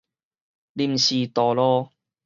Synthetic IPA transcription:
li˧˥m̩˨siː˧t̪ɔː˨˧lɔː˧

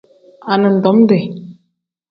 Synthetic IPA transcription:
a˨nə˨n̩˨dɔ˨˦m˦de˨

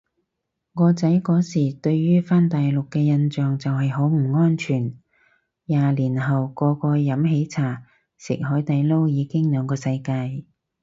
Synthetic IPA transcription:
ŋɔː˧t͡sɐ˨˥jkɔː˨˥siː˨˩t̪ɵ˧ɥːyː˥faː˥nt̪aː˨jlʊ˨kːɛː˧jɐ˧nt͡ʃœː˨˩ŋt͡sɐ˨wɦɐ˨jɦo˨˥wm̩˨˩ŋɔː˥nt͡ʃʰyː˨˩n | jaː˨liː˨˩nɦɐ˨wkɔː˧kɔː˧jɐ˨˥mɦe˨˧˥jt͡sʰaː˨˩ | sɪ̰˨˩k̚ɦɔː˨˥jt̪ɐ˨jlo˥wjiː˨˧kɪ˥ŋlœː˨˧ŋkɔː˧sɐ˧jkaː˧j

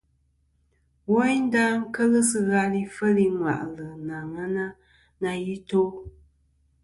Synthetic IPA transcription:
wɔ˦jn̩˦da˦ŋ̩˦kə˦ɣə˦sɨ˦ɣa˦li˦fə˦li˦ŋwa̰˨ʔlɨ˨na˨ŋa˦na˦ | na˧ji˦to˦

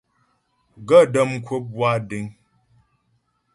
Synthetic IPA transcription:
ɡə˦˨də˦˨m˦˨kʰwə˦p̚bwa˦˨di˨˦ŋ

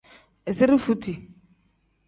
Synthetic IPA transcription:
e˨sɪ˦ɾi˦fu˦tʰi˨

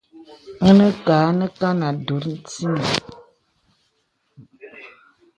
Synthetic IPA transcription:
ŋə˦nə˦kaː˨˦nə˦ka˦na˨do˨˦ɾn̩˦ti˦nə˨

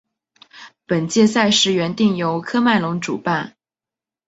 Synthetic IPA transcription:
pə˨˩nt͡ɕjɛ˥˧sa˥˧ɪʂɻ̩˥˩ɥɛ˧˥nt̪i˥˩ŋjo˧˥ʊkʰɤ˥ma˥˩ɪlʊ˧˥ŋʈ͡ʂṵ˨˩pa˥˩n

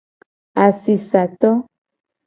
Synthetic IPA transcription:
a˨si˨sa˨t̪ɔ˦

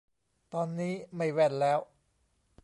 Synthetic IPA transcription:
t̪ɔː˧nːiː˦˥ma˥˩jwɛ˧˩nlɛː˦˥w

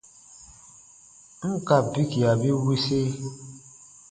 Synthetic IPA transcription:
ŋ̩˦ka˨bi˦ki˨a˨bi˦wi˦se˦

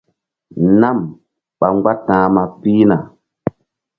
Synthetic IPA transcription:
na˦˨m | ɓa˨ŋɡa˦tãː˨˦ma˨pi˦na˨

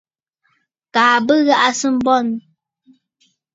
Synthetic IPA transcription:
kaː˨bə˦ɣa˦ʔa˦sɨ˦m̩˦bɔ˦˨n

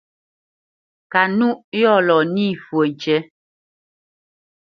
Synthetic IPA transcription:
ka˨nu˦ʔjɔ˦˨lɔ˨ni˦˨fwə˨n̩˨t͡ʃɛ˦

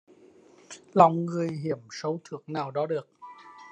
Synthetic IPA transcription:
lɔ˨˩wŋ͡mŋɨ˨˩əjɦi˧˩əmsə˨˦wt̪ʰɨ˧˩əŋ̚naː˨˩wɗɔ˨˦ɗɨ˨˩ək̚

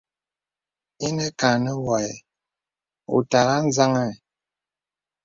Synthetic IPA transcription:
i˦nɛ˦ka˨nə˦wa˨jɛ˨ | o̰˨ta˨ɣa˦n̩˦za˦ŋɛ˦˨

